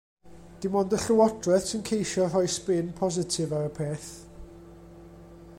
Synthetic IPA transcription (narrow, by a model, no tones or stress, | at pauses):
d̥ɪmɔndəɬʊwɔdrɛθsənkʰejʃɔr̥ɔjsbɪnpʰɔzɪtʰɪvaɾəpʰeːθ